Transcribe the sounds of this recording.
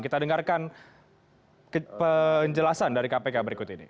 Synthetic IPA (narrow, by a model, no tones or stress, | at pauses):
kit̪adəŋarkan | kəpəɲd͡ʒəlasandaɾikapekabəɾikʊt̪inḭ